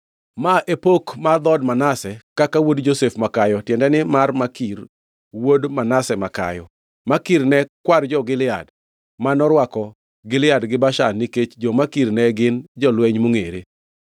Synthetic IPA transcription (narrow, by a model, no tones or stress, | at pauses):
maʔepokmad̪ɔdmanasɛkakawodd͡ʒosefmakajɔtjɛndɛnɪmarmakir | wodmanasɛmaka̰jɔ̰ | makirnɛkward͡ʒɔɡɪlɪa̰d | manɔɾwakɔ | ɡɪlɪadɡɪbaʃaniket͡ʃd͡ʒɔmakirnɛɡɪnd͡ʒɔlwɛɲmoŋeɾe